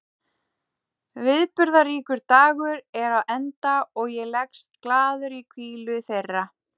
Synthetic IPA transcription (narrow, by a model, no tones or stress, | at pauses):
vɪðpʏɾðariːkʏɾt̪aːɣʏɾɛɾaðɛnt̪aɔɣjɛlɛkst̪̚klaːðʏɾikʰviːlʏθejrːa